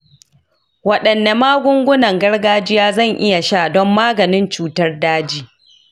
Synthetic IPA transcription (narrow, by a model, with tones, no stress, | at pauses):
wɐ˨ɗɐ˨nːa˨maː˦ɡʷʊ˦ŋɡʷʊ˦nɐ˨ŋɡɐ˦rɡaː˦d͡ʒɪ˦jaː˦zɐ˦˨ŋʔɪ˦ja˨ʃaː˦˨dɔ˦mːaː˦ɡɐ˨nɪ˦nt͡ʃuː˦tɐ˦rdaː˦d͡ʒiː˦